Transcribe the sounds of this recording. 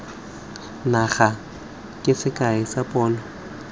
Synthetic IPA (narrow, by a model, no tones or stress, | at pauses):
naχa | kʼɪsɪkʼaɪsapʼɔːnɔ